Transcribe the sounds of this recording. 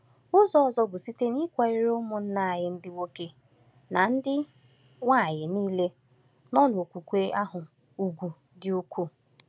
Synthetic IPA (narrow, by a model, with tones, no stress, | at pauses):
ʊ˦zɔ˦ɔ˨zɔ˦bʊ˨si˦te˦ni˦kʷa˨ɪ˦ɾʊ˦mʊ˨n̩˦na˦˨a˨jɪ˨n̩˦dɪ˦wo˦ke˦ | na˨n̩˦dɪ˦ | ŋʷa˦˨ɲɪ˨niː˦le˦ | nɔ˦n˨o˨kʷu˨kʷe˦ʔa˦ɦʊ˨ | u˨ɡʷu˨ | dɪ˦u˦kʷu˦